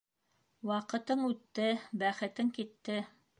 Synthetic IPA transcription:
wɑqɤ̆t̪ɤɴʉt̪ːɘbæχɘ̆t̪ɘŋkit̪ːɘ

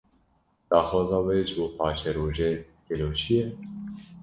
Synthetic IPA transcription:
d̪̥ɑːxɑːzɑːweːʒɨboːpɑːʃɛɾoːʒeː | keloːʃijɛ

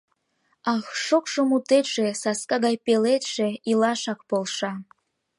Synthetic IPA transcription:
ɑxʃokʃomut̪et̪ʃesɑskɑɣɑjpelet̪ʃeilɑʃɑk̚polˠʃɑ

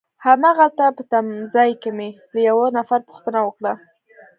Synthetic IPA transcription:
hamaɣalt̪apət̪amzɑjkeme | ləjawanafaɾpu̥xt̪ənawəkɽa

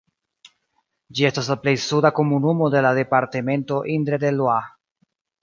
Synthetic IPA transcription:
d͡ʒie̞staslaple̞jsudako̞munumo̞de̞lade̞paɾte̞me̞nto̞ʔind̪ɾedelwa

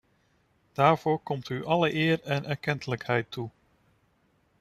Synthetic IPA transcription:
d̥aːɹv̥oːɹkɔmtyʔɑləʔɪːɹɛnʔɛɹkɛntələkhɛjtʰːu

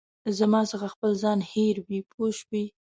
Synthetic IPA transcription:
zamɑsəxaxpəlzɑnheɾwipʰoʃwi

